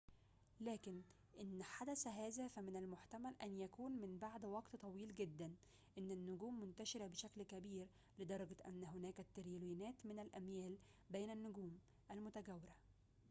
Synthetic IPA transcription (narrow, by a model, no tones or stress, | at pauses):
læːkɪn | ʔɪnːħad̪æsɦæːzæfæmɪnælmʊħt̪æmælʔænjækuːnmɪmbaʕd̪wɑɡt̪t̪ˤɑwiːlɡed̪ːæn | ʔɪnːænːʊɡuːmːʊnt̪æʃɪɾæbeʃæklkæbiːɾ | led̪ɑɾˤɑɡæʔæ̰nːæɦʊnæːkæt̪ːeɾjɪlwinæːt̪mɪnælʔæmjæːl | beːnænːʊɡuːm | ʔælmʊt̪æɡæwːɪɾæ